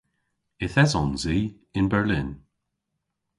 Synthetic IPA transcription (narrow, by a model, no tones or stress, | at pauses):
ɪθɛzɔnziː | ɪnbɛɹlɪn